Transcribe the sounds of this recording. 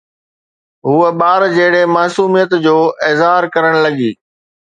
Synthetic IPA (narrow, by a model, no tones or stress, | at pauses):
ɦuːəɓaːɾd͡ʑɐɦɪɽemaːsuːmijət̪d͡ʑoːʔɪːzɦaːɾkɐɾəɽ̃lɐɠiː